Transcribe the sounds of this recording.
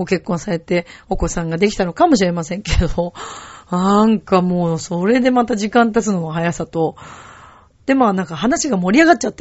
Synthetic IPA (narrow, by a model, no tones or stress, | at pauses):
ɡo̞ke̞kːõ̞ɰ̃saɾe̞t̪e̞o̞ko̞sãŋɡad̪e̞kʲi̥t̪ano̞kamo̞ɕ̬iɾe̞masẽ̞ŋke̞d̪onãŋkamo̞ːso̞ɾe̞d̪e̞mat̪aʑikãnt̪at͡sɨno̞moɦajasat̪o̞ | d̪̥e̞maːnãŋkaɦanaɕiɡamo̞ɾʲiaɡat̚ːt͡ɕat̪ː